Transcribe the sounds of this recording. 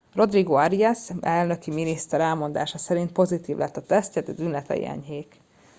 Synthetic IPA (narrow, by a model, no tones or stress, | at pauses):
ro̞d̪riɡoɒɾiɛsɛlnø̞kiminist̪ɛɾɛlmo̞nd̪a̰ːʃɒsɛɾint̪̚po̞zit̪iːvlʔɛ̰t̪ːɒt̪ɛst̪cɛt̪ɛd̪ynlɛt̪ɛ̰j̰ɛ̰ɲɦeːk